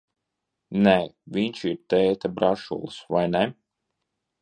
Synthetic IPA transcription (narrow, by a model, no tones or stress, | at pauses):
nɛvʲiɲʲt͡ʃiɾt̪ɛːt̪abɾaʃṵlˠsvajnɛ